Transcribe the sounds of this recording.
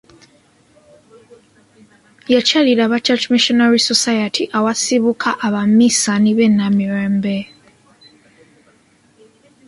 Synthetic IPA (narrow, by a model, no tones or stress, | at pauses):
jat͡ʃaliɾaβat͡ʃat͡ʃmiʃonaɾisosajatʰiʔawasiβukʰaʔːβamisaniβenːamiɾeːmbe